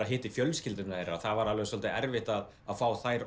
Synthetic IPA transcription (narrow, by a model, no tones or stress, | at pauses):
aðɦɪːht̪ɪfjœlscɪlt̪ʏnaɛɾa̰θavaɾalɛɣʏsɔlt̪ɪʔɛɾvɪht̪að | aðfaːwθajɾ